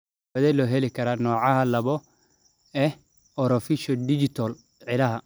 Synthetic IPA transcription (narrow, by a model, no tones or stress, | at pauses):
ɐðɛlɔːɦɛlɪkʰɐɾaːnɔːʕɑɦɐlɐβɔ | ɛ | ɔɾɔfiʃɔdɪd͡ʒɪt̪ʰɔl | ʕɪlɐɦɐ